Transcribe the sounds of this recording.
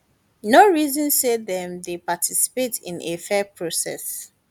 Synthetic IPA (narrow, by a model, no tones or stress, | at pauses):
noɹizɔ̃nseðɛ̃mdepatʰisi̥petḭ̃nʔefɛpʰɹosɛ̰s